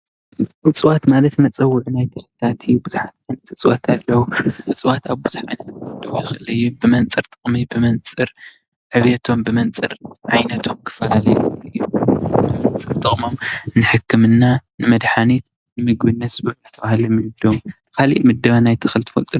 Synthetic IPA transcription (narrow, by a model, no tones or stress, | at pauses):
ʔɨt͡sʼɨwat̪malɐt̪mɐt͡sʼɐwːʊʕunajt̪ʰɨhɨt̪at̪ʰijubɨzħat̪ʕajnɐt̪ɨt͡sʼwat̪ʰalːɐwuɨt͡sʼwat̪aβbuzʕa̰jnɐt̪d̪ɐwjɪxʔɨlɐjːubɨmɐnt͡sʼɨɾt̪ʼɨχʼmibɨmɐnt͡sʼɨɾ | ħɨβjet̪ʰo̞mbɨmɐnt͡sʼɨ̰ɾʕajnɐt̪ʰo̞mkʰɨ̥fɐlalɐ̰juɨjuɨmɐnt͡sʼɨɾt̪ʼɨχʼmomnɨħɨkʰːɨmɨnːanɨmɐd̪ħanet̪ | nɨmɨɡbɨnːɐt̪sbuat̪ʰɐβahlimɨnɨd̪om | kʰalḭʔmɨd̪ːɐβanajt̪ʰɨxɨlt̪ɨ̥fɐlt̪ʼu